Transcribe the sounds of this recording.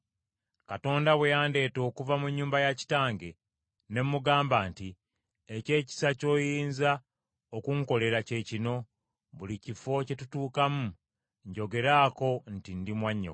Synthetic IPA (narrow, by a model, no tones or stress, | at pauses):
kato̞ːndawejaːnde̞ːto̞ːkuvamuɲːuːmbajaci̥taːŋɡe̞ | ne̞mːuɡaːmbaːnti | ece̞ːci̥saco̞ːjiːnza | okuŋko̞le̞ɾace̞ːcino̞ | βulicifo̞ce̞tutuːkamu | ɲɟo̞ɡe̞ɾaːko̞ntindimwaɲːo̰